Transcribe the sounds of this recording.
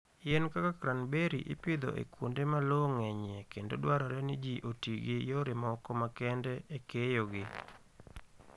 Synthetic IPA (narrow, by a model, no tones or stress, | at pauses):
jenkakakɾanbeɾḭʔɪ̰pɪd̪o̰ʔḛkwondemaloŋɛɲekendodwaɾɔɾɛnɪd͡ʒiʔotiɡijoɾɪmɔkɔmakɛndɛʔekejoɡɪ